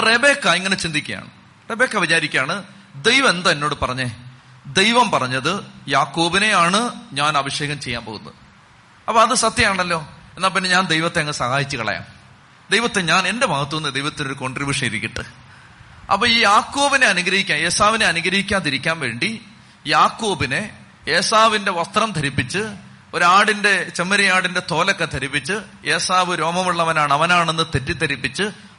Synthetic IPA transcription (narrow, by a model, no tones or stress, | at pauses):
rebeːkːaiŋːɐnet͡ɕind̪ikʲːɐja̰ːɳɨ | re̞be̞ːkːɐʋit͡ɕaːɾikʲːaːɳɨ | d̪ejʋɐmend̪ɐenːo̞ːɽɨpɐrɐɲːe | d̪e̞jʋɐmpɐrɐɲːɐðɨjaːkːo̞ːbine̞jaːɳɨɲaːnɐbɐʂje̞ːɣɐmt͡ɕe̞jːaːmpo̰ɣunːɐ̰ð | ɐpːoɐðɨsɐt̪jɐmaːɳɐlːo̞ːe̞nːaːlp̬inːe̞ɲaːnd̪ejʋɐt̪ːeɐŋɐsɐhaːjit͡ɕːɨkɐ̰ɭɐ̰ja̰ːm | d̪ejʋɐt̪ːe̞ɲaːne̞nde̞mɐɣɐt̪ːuʋenːɨd̪ejʋɐt̪ːino̞ɾuko̞ɳɖribʲjuːʂɐniɾikʲːiʈːɨ̰ | ɐ̰pːoːiːjaːkːo̞ːbine̞ɐnuɡɾɐhikʲːaːnje̞ːsaːʋineɐnuɡɾɐɦikʲːaːnt̪iɾikʲːaːnʋe̞ːɳɖi | jaːkːo̞ːbine̞ | eːsaːʋinde̞ʋɐst̪rɐmt̪ʰɐɾipːit͡ɕːɨ | o̞ɾuaːɽinde̞t͡ɕemːɐɾɐjaːɽinde̞t̪o̞ːlɐkːɐt̪ʰɐɾipːit͡ɕːɨje̞ːsaːʋɨɾo̞ːmɐmuɭːɐʋɐnaːɳɐʋɐnaːɳe̞nːɨt̪e̞tːit̪ːɐɾipːit͡ɕːɨ